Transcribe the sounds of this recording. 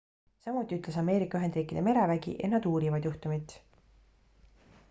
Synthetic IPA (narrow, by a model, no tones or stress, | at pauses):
sɑmut̪ːˑiyt̪le̞sɑme̞ːɾikːˑɑyɦe̞nd̪riːkːˑid̪eme̞ɾevæɡḭʔḛnːɑd̪uːɾivɑd̪̥juht̪umit̪